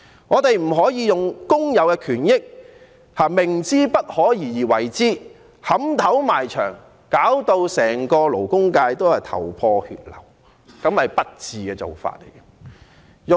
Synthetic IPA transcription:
ŋɔː˨˧t̪e˨˧jm̩˨˩ɦɔː˨˥jiː˨˧jʊ˨ŋkʊ˥ŋjɐ˨wkɛː˧kʰyː˨˩njɪ˥k̚ | haː˨˩mɪ˨˩ŋt͡siː˥pɐ˥t̚hɔː˨˥jiː˨˩jiː˨wɐ˨˩jt͡siː˥ | hɐ˨˥mt̪ʰɐ˨˥wmaː˨˩jt͡ʃʰœ̰ː˨˩ŋ | kaː˨˥wt̪o˧wsɛː˨˩ŋkɔː˧lo˨˩wkʊ˥ŋkaː˧jt̪o˥whɐ˨jt̪ʰɐ̰˨˩wpʰɔː˧hy̰ː˧t̚lɐ̰˨˩w | kɐ˨˥mhɐ˨jpɐ˥t̚t͡siː˨kɛː˧t͡so̰˨˩wfa̰ː˧˨t̚lḛ˨˩jɐ˧ | jʊ˨

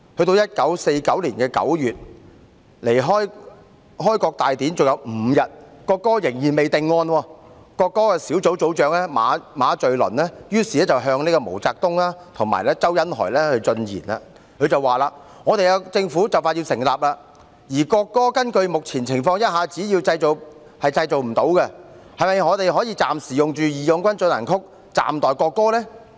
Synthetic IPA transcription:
hɵ˧t̪o˧wjɐ˥t̚kɐ˨˥wse˧jkɐ˨˥wliː˨˩nkɛː˧kɐ̰˨˥wjyː˨t̚ | le˨˩jɦɔː˥j | ɦɔː˥jkɔː˧k̚t̪aː˨jt̪iː˨˥nt͡sʊ˨ŋ̚jɐ˨˧wm̩ː˨˧jɐ˨t̚kɔː˧kːɔː˥jɪ˨˩ŋjiː˨˩nme˨jt̪ɪ˨˧ŋːɔː˧nwɔː˧ | kɔː˧kːɔː˥kɛː˧siː˨˥wt͡so˨˥wt͡so˨˥wt͡ʃœː˨˧ŋlɛː˥maː˨˧maː˨˧t͡ʃɵ˨ɥlɵ̰˨˩nlɛː˥jyː˥siː˨lɛː˥t͡sɐ˨wɦœː˧ŋniː˥kɔ˧mo˨˩wt͡saː˧k̚t̪ʊ˥ŋlaː˥t̪ʰʊ˨˩ŋma̰ː˨˩jlɛː˥t͡sɐ˥wjɐ˨˥nɦɔ̰ː˨˩jlɛː˥hɵ˧ɥt͡sɵ˧njḭː˨˩na̰˧ | kʰɵ˨˧t͡sɐ˨wːaː˨laː˧ | ŋɔː˨˧t̪e˨jka˧t͡sɪ˧ŋfuː˨˥t͡sɐ˨˩wfaː˧t̚ji˧wsɪ˨˩ŋlaː˨˩p̚laː˧ | jiː˨˩kɔː˧kːɔː˥kɐ˥nkɵ˧ɥmʊ˨k̚t͡sʰiː˨˩nt͡sʰɪ˨˩ŋfɔː˧ŋjɐ˥t̚haː˨t͡siː˨˥jiː˧wt͡sɐ˧jt͡so˨˩w | hɐ˨jt͡sɐ˧jt͡so˨wm̩˨˩t̪o˨˥wkɛ˧ | hɐ˨˩mɐ˨jŋɔː˨˧t̪e˨jɦɔː˨˥jiː˧t͡saː˨msiː˨˩jʊ˨ŋt͡ʃyː˨˩jiː˨jɔ˨˧ŋkʷɐ˥nt͡sɵ˧na̰˨˩nkʰʊ˥k̚ | t͡sa̰ː˨˩mt̪ɔː˨˩jkɔː˧kːɔː˥lɛː˥

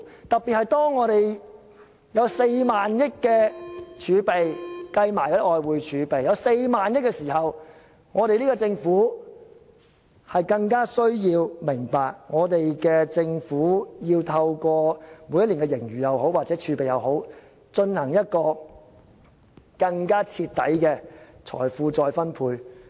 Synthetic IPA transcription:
t̪ɐ˨pːi˨t̚hɐ˨jt̪ɔː˥ŋːɔː˨˧t̪e˨j | jɐ˨˧wse˧jmaː˨njɪ˥kkːɛː˧t͡ʃʰyː˨˧pe˨jkɐ˧jmaː˨˩jkːʔɔː˨˧jwuː˨˧jt͡ʃʰyː˨˧pe˨jɐ˨˧wse˧jmaː˨njɪ˥k̚ːɛ˧siː˨˩hɐ˨w | ŋɔː˨˧ɾe˨jliː˥ɡɔː˧t͡sɪ˧ŋfuː˨˥ | hɐ˨jkɐ˧ŋkaː˥sɵ˥ɥjiː˧wmɪ˨˩ŋpaː˨k̚ŋɔː˨˧t̪e˨jkɛː˧t͡sɪ˧ŋfuː˨˥jiː˧wt̪ʰɐ˧wkɔː˧muː˨˧jɐ˥tliː˨˩ŋkɛ˧jɪ˨˩ŋjyː˨jɐ˨who˨˥waː˨k̚t͡sɛː˨˥t͡ʃʰy˨˧˥pe˨jɐ˨˧who˨˥w | t͡ʃɵ˧nhɐ˨˩ŋjɐ˥t̚kɔː˧ | kɐ˧ŋkaː˥t͡sʰiː˧t̪ːɐ̰˨˥jkɛː˧t͡sʰɔ̰ː˨˩jfuː˨t͡sɔː˨jfɐ˥npʰuː˧j

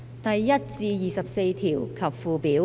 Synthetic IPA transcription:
t̪ɐ˨jːɐ˥t̚t͡siː˧jiː˨˩sɐ˨p̚se˧jt̪ʰiː˨˩wkʰɐ˨p̚fuː˨piː˨˥

